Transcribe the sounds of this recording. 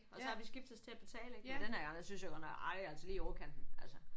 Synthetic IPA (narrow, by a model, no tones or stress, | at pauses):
ɒ̽sɒ̽hɑ̈ʋisɡ̥ifd̥ɒst͡sʰe̝æb̥e̝t͡sʰɛ̰ːləeɡ̥d̥enheɐɡ̥ɑ̈ŋjæsynsjɑɡ̥ɒnɒɑliælsəliːokʰænd̥n̩ælsə